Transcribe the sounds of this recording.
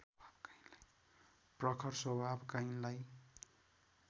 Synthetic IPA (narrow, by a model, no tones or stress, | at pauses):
bʱabkainla | prʌkʰʌrswʌbʱabkajnlaj